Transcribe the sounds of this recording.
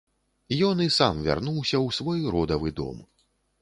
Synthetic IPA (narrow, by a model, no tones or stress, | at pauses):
jɔnisamvʲa̰rnuwsʲɐwsvɔjɾɔd̪ɐvɨd̪ɔ̰m